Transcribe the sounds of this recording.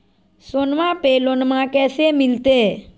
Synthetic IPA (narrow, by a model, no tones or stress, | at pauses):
sonmãpeːlonmãkɛːsemɪlt̪eː